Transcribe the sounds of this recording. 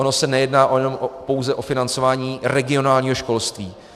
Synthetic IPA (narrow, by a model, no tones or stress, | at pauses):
ono̞sɛnɛjɛdnaːʔojɛnompo̞wzɛʔo̞fɪnant͡so̞vaːɲiːɾɛɡɪo̞naːlɲiːɦo̞ʃko̞lst̪viː